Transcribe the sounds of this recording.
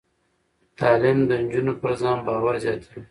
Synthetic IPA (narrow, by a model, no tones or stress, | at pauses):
t̪ɑːlɪmd̪ənd͡ʒunopəɾzɑ̃ːmbɑːwaɾzɑːt̪ʰə